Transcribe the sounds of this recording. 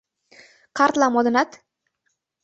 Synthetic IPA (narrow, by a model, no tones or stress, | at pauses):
qʰaɾt̪lamɒd̪ɪnat̪